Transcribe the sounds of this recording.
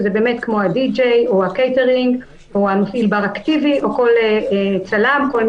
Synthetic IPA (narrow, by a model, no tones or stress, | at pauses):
zebe̞ːmetkmoad̪id͡ʒejohakejteʁiŋɡ | oanofilbaʁaktiviʔo̞ko̞leet͡salamko̞lm